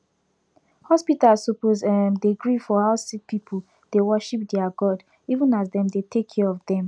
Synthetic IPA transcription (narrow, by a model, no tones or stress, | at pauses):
hɔspitalssopozɛmdeɡɹifɔhaʊsik̚pipʰl | d̥ewɜʃip̚dɛaɡɔd | ivə̃nazdɛ̃mdetʰekʰːɛɹɔvdɛ̃m